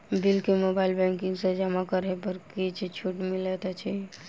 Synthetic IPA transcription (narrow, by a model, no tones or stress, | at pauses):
bilkemobailbɛ̃ŋkiŋɡsed͡ʒəmakəɾepəɾkit͡ʃʰit͡ʃʰuʈmilet̪at͡ʃʰi